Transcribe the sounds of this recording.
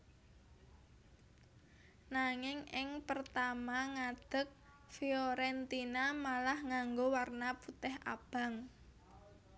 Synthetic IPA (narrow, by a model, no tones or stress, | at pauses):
naŋɪŋɪŋpərt̪amaŋad̪̥ə̤k̚ | fioɾɛnt̪inamalahŋaŋɡowarnaput̪ɛɦʔa̰b̥a̤ŋ